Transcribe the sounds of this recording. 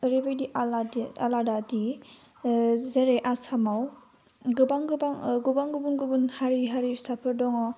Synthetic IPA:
ɾibajdiʔalada̰ladadi | zeɾeʔasamaw | ɡɯbaŋɡɯbaŋɡubaŋɡɯbunɡubunhaɾiɦaɾisapʰɯɾdɔŋɔ

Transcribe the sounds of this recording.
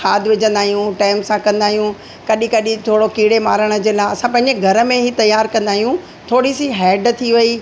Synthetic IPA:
xʰaːd̪ʋɪd͡ʑə̃nd̪aːɦijũʈaːɪmsãkɐ̃nd̪aːɦijũ | kɐɗĩkɐɗĩt̪ʰoːɽokiːɽemaːɾəɽ̃ə̆d͡ʑeːlaːɐsãpɐ̃ɦɪ̃ɲd͡ʑeɡʱɐɾə̆mẽɦit̪ɐjaːɾkɐ̃nd̪aːɦijũ | t̪ʰoːɽisiɦɛːɖt̪ʰiʋɐi

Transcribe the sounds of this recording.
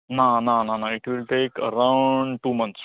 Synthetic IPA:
nanananaɪʈʋilʈeːkə̰ɾãʊɳɖʈumə̃ns

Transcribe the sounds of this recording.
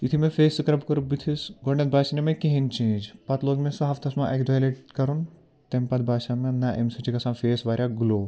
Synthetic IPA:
it̪ʰimẽfeːsɨkɐɾɐbkɐɾubit̪ʰisɡoɳːet̪̚bʱaːʃinemẽkiɦint͡ʃẽːd͡ʒpɐt̪loːɡmẽsɐɦɐft̪ʰɐsmãʔekd̪ɐːjleʈkɐɾun | t̪empɐt̪̚bʱaːʃamẽnɐʔemsɐt͡ʃʰikɐsãːfeːsʋaːɾʲjaɡuloː

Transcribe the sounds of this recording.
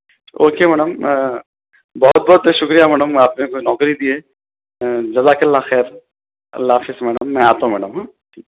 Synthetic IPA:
oːkemɛːɽəm | bɔɦʊt̪̚bɔːt̪ʃʊkɾijamɛːɖəmaːpnekonɔːkɾid̪ieː | d͡ʒɐzakɐlːaxɛːɾ | ɐ̰lːaːfiːsmɛːɽəmːɛ̃aːt̪õmɛːɖəmɦãː | iː

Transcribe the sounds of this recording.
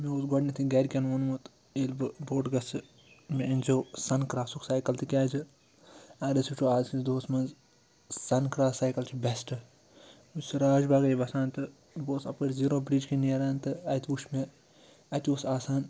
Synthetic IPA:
meoːsɡɔɖnʲɐt̪ʰiɡɐɾʲkʲɐnʋɐnmut̪ | elbɨboːʈɡɐsɨ | mʲeɐnʲd͡ʒoːsɐnkɾaːsuksaːjkɐlt̪ɨkʲaːd͡ʒɨ | aːdɐsit͡ʃʰoːaːzkind̪oːsmɐnz | sɐnkɾaːsaːjkɐlt͡ʃʰibɛsʈɨ | usɨɾaːʒbaːɡɐjʲibɐsaːnt̪ɨ | boːsɐpɐɾʲziɾoːbɾiːd͡ʒkʰinieɾant̪ɨɐjt̪ʰbuʃʰme | ɐt̪ʲoːsaːsaːn

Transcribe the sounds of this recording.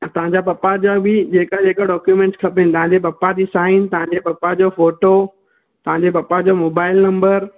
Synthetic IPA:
ɐ̃t̪ɐɦãɲd͡ʑapɐpːad͡ʑabɪd͡ʑeːkad͡ʑeːkaɖɔːkjumẽːɳʈskʰɐpent̪ɐʋ̤ɦãɲ̆d͡ʑep̬ɐpːad͡ʑiːsaːɪnt̪ɐʋãɲd͡ʑepɐpːad͡ʑofoːʈo | t̪ɐʋ̤ãɲd͡ʑepɐpːad͡ʑomoːbaːɪlnɐ̃mbəɾ

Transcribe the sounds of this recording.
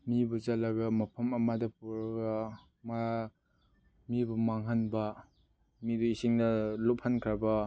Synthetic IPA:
mibut͡ʃalaɡamɐpʰɐmɐmadɐpuɾɡa | maa | mibumaŋɦanbɐ | miduisiŋnɐlop̚hankʰɾaba

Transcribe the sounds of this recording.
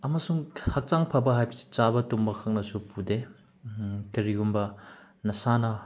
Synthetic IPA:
ɐmɐsuŋhak̚t͡ʃaŋpʰabɐɦajbst͡ʃabɐtumbɐkʰak̚nɐsupude | kɐɾiɡumbɐ | nɐsanɐ

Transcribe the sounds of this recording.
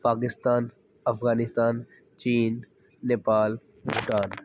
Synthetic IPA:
paːk̬ɪst̪aːn | ɐfɣaːnɪst̪aːn | t͡ʃiːnː | eːpaːl | buʈaːn

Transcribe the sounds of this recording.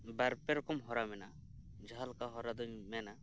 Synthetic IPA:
baɾpɛɾɔkɔmɦɔɾamɛna | d͡ʒʱaɦalkaɦɔɾad̪ɔɲmɛna

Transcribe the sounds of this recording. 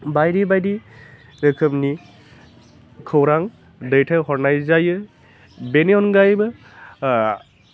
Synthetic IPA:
bajɾibajdi | ɾəkʰɯmni | kʰɯwɾaŋ | dəjtʰaɦɔɹnajzajɯ | beniɔnɡajbɯ

